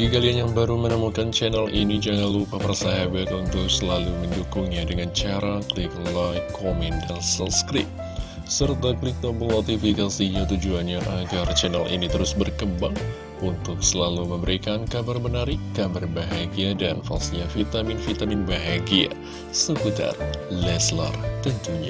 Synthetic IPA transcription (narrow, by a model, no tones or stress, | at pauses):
ɡikalianjaŋbaɾumənəmukant͡ʃɛnalʔinid͡ʒaŋanlupapərsaɦabat̪unt̪ʊk̚səlaluməndukuŋɲadəŋant͡ʃaɾaklɪk̚lajkʰːomɛndansalskɾɪp̚ | sərt̪aklɪk̚dobənot̪ifikasiɲat̪ud͡ʒuanɲaʔaɡart͡ʃɛnalʔḭnit̪əɾʊsbərkəmbaŋ | unt̪ʊksəlaluməmbəɾikankabarbənaɾikabarbaɦaɡiadanfa̰siɲafit̪amɪnfit̪amɪnbaɦaɡia̰ | səput̪a̰rlɛslə̰rt̪ənt̪uɲa